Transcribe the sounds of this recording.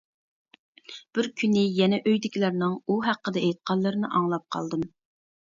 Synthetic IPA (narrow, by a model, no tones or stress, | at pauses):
b̥ɪɾkʲʰynɪjɛnɛʔøjd̪ɪkʲʰilæɾnɪŋuɦæqːəd̪ɛɛjt̪̚qʰɑlˠːɨɾɨnɨʔɑŋlˠɑp̚qʰɑ̰lˠd̪ɨm